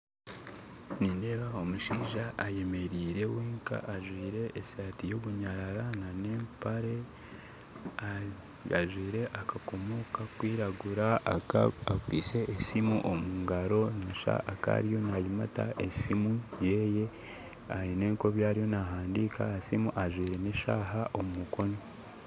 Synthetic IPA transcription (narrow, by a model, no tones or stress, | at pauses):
niːnde̞ːβao̞muʃiːʒaʔːje̞me̞ɾiːɾe̞weːŋka̰ːʒwiːɾe̞ːsaːtijo̞βuɲaɾaɾanane̞ːmpaɾe̞ | a | aʒwiːɾe̞ʔakako̞mo̞kakwiːɾaɡuɾa | akwiːse̞ʔːsimuʔomuːŋɡaɾo̞naʃa̰ːka̰ɾijo̞najimata̰ʔesimuje̞ːje̞ | ahine̞ːŋko̞βjaːɾijo̞naɦaːndika̰ːsimuʔaʒwiːɾe̞neʃa̰ːɦaʔo̞mumukʰo̞no